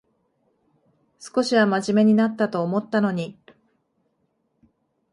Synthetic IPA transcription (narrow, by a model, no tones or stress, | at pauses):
sɨ̥ko̞ɕiβamaʑime̞ɲ̟inat̪ːat̪o̞ːmo̞t̪ːano̞ɲ̟i